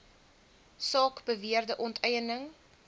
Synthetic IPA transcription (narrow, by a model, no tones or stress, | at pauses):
sɑːkbəviərdəʔɔntʰɛjənəŋ